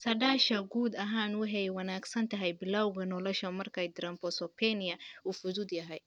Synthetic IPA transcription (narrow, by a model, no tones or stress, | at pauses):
sʰɐɖaːʃɐɡuːd̪ɐɦaːnwɑħɛjwɐnaːɡsɐnt̪ʰɐɦɛjbɪlawɣɐnɔlɔʃɐmɐrkʰɛjd̪ɪɾɐmpɔsɔpʰɛnɪjɐuːfʊðʊd̪jɐɦɛj